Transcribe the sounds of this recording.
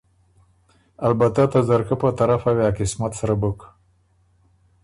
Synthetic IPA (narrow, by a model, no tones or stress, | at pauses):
albat̪at̪azaɾkapət̪aɾafawjɑkɪsmat̪saɾabək